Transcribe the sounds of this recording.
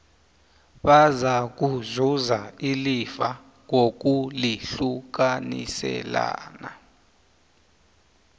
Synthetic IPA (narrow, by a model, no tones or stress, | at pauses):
ɓazak̬uzuzailifa | ŋok̬uliɬuk̬anḭsɛ̰la̰ːna